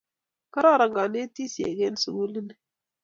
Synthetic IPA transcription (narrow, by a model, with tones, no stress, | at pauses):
kə˦ɾa˦˨ɾa˨ŋɡa˨ne˦ti˦si˨ḛ˨ɡe˦n˦su˨ɡu˦li˦ni˨